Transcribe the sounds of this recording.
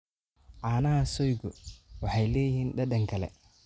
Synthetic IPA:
ʕaːnɐhɐsɔjɡɔwɑħɑjlɛːjɪhiːnɖɐɗɐŋkʰɐlɛ̰

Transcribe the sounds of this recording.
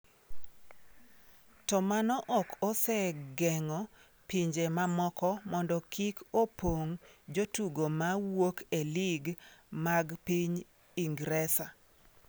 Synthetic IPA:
tɔmanɔʔɔkɔsɛɡɛŋɔ | piɲd͡ʒemamɔkɔmɔndɔkʰikopoŋd͡ʒotuɡomawokeliɡmaɡpiɲ | iŋɡɾɛsa

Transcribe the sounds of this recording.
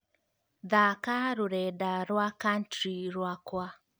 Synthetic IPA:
ðakaɾoɾɛdaɾwakantɾiɾwakwa

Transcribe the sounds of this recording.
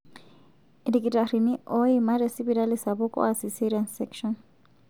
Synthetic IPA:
dikʼitʼariniʔɔimaɾesibiɾalɪsabʊkʼɔ̰asisiɾiansɛkʰʃɔn

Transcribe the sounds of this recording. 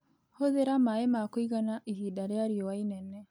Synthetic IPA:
hoðeɾamaemakoiɣanaʔihiːdaɾeaɾiɔwainɛnɛ

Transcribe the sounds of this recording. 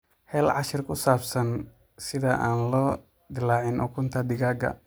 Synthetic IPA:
hɛːlʕɑʃɪrkʰʊsaːbsɐn | sɪðɐʔaːnlɔː | d̪ɪlaːʕɪnʔɔ̰kʰʊnt̪ʰɐd̪ɪɣaːɡɐ̰

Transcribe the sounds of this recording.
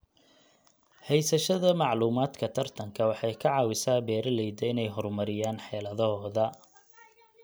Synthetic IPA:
hɛjsɐʃɐðɐmɑʕluːmaːd̪kʰɐt̪ʰɐrt̪ʰɐŋkʰɐwɑħɑjkʰɐʕɑːwɪsaːbɛːɾɐlɛjd̪ɐɪnɛjɦɔrmɐɾɪjaːnħɛːlɐðɔɦɔːðɐ

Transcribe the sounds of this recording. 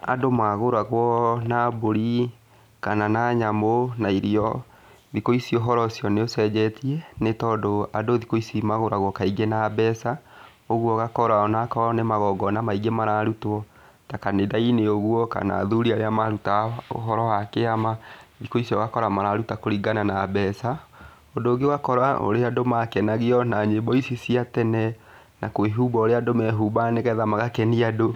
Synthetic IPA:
a̰domaɣoɾaɣwɔnaboɾi | kananaɲamonaiɾiɔ | ðikoisioɦɔɾɔsiɔneosɛd͡ʑɛtiɛnetɔdoadoðikoisimaɣoɾaɣwɔkaiɡenabɛsa | oɣwɔɣakɔɾaɔnakɔnemaɣɔɡɔnamaiɡemaɾaɾutɔ | takanedaineoɣwɔka̰na̰ðuɾiaɾeamaɾutao̰ɦɔɾɔwakeamaikoisiɔɣakɔɾamaɾaɾutakoɾiɡananabɛsa | ondoːɡewakɔɾao̰ɾeadomakɛnaɣiɔnaɲebɔisisiatɛnɛ | nakweɦubaoɾeadomɛɦuːbaneɣɛðamaɣakɛniado

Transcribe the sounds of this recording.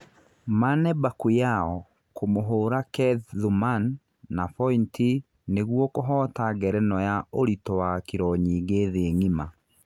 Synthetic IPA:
manɛbakujaɔ | komoɦoːɾakɛððumanː | afɔinti | neɣwɔkoɦɔːtaɡɛɾɛnɔjaoɾitɔwakiɾɔɲiːɡeːðeŋima

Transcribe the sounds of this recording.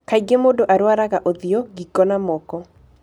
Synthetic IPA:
kaiɡemodoʔaɾwaɾaɣaʔoðɪɔɡikɔnamɔkɔ

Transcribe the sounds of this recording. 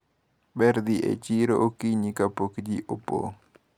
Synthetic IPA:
ɓeɾd̪iʔḛt͡ʃiɾoʔokiɲikapokd͡ʒiʔopo̰

